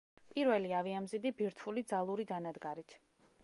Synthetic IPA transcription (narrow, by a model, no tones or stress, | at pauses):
pʼiɾvɛliaviamzid̪ibiɾt̪ʰulid̪zalˠuɾid̪anad̪ɡaɾit̪ʰ